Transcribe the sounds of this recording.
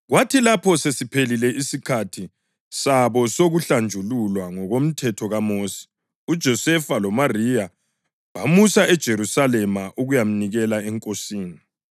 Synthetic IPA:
ɣwatʰilapʰɔsesipʰelilɛʔisikʰatʰi | saβɔsoɣuɬand͡ʒʱululwaŋɔɣom̩tʰɛtʰɔɣamoːsi̥ | ud̥ʒ̥ʱɔsɛfalɔmarija | βamusaʔɛd̥ʒ̥ʱeɾusalɛmaʔuɣujam̩niɣɛlaɛŋkʼosiːni

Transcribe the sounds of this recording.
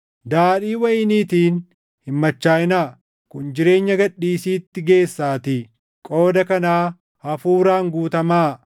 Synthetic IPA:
d̪aːᶑiːwɐjɪniːt̪iːn | hɪmːɐt͡ʃːaːjɪnaː | kʊnd͡ʒɪɾe̞ːɲːɐɡɐᶑiːsiːt̪ːɪɡe̞ːsːaːt̪ɪ | kʼo̞ːd̪ɐkɐnaː | hɐfuːɾaːŋɡuːt̪ɐmaː

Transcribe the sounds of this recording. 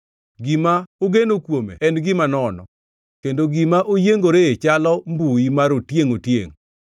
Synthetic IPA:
ɡɪmaoɡenokwomḛɛnɡɪmanɔnɔ̰ | kendoɡɪmaʔojeŋɡoɾeet͡ʃalɔmbuimaɾotjeŋotjḛŋ

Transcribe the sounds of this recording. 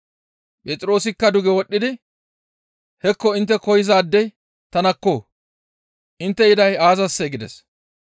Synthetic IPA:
pʼɛːt̪ʼɾo̞ːsɪkːɐd̪ʊɡɛwɔɗːɪd̪ɪ | hɛkːɔɪnt̪ːɛkɔjɪzaːd̪ːɛj | t̪ɐnɐkːo̞ː | ʔɪnt̪ːɛɪd̪ɐjaːzɐsːɛɡɪd̪ɛ̰s

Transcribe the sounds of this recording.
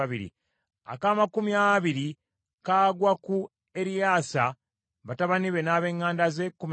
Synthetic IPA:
aβiɾḭ | a̰kaːmakumiaβiɾi | kaːɡwaku | e̞ɾijaːsa | βataβaniβe̞naːβe̞ŋːaːndaze̞kːum

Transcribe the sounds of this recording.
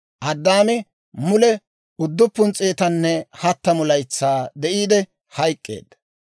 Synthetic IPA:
ʔɐd̪ːaːmɪ | mʊlɛ | ʊd̪ːʊpːʊnt͡sʼeːt̪ɐnːɛhɐt̪ːɐmʊlɐjt͡sːaːd̪ɛʔiːd̪ɛ | hɐjkʼːe̞̰ːd̪ːɐ̥

